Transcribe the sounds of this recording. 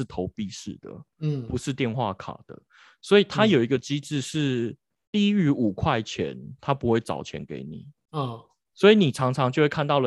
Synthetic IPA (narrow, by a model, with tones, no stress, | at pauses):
t̪ʰo˧˥ʊpi˥˧ʂɻ̩˥˩d̪̥ə̰˩˥˩pu˧˦ʂɻ̩˥˧t̪jɛ˥˧nxwa̰˥˨kʰa̰˨˩d̪̥ə̰˦ | swɔ˧˥i˨˩t̪ʰa˥jo˨˩i˧˥ɡə˧t͡ɕi˥ʈ͡ʂɻ̩˥˧ʂɻ̩˥˧ | t̪i˥˧˦y˧˥u˨˩kʰwa˥˩ɪt͡ɕʰjɛ̰˧˦nt̪ʰa˥pu˧˥xwe˥˩ɪt͡sɑ̰˨˩ʊt͡ɕʰjɛ̰˧˥nkḛ˧˥ɪnḭ˨˩˦ | swɔ˧˥i˨˧˦ni˨˩ʈ͡ʂʰɑ˧˥ŋʈ͡ʂʰɑ˧ŋt͡ɕjo˥˧xwe˥˩kʰa˥˧nt̪ɑ˥˩lə˨